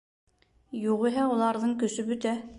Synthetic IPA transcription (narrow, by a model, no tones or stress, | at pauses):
joʁʊɦɛulˠɑɾnɨŋkʲøsybyt̪ɛ